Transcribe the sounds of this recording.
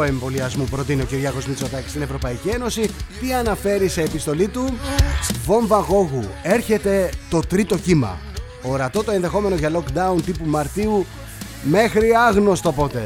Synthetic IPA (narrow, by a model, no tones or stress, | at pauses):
oe̞mbo̞liɐzmupɾo̞t̪inio̞ciɾʝɐɣo̞zmit͡so̞t̪ɐci̥st̪ine̞vɾo̞pɐicie̞no̞sit̪iɐnɐfe̞ɾiseːpist̪o̞lit̪u | vo̞ɱvɐɣo̞ɣue̞ɾçe̞t̪e̞t̪o̞t̪ɾit̪o̞cimɐ̰ | oɾɐt̪o̞t̪oe̞nðe̞xo̞me̞no̞ʝɐlo̞kd̪ɐunt̪ipumɐɾt̪iu | me̞xɾiɐɣno̞st̪opo̞t̪e̞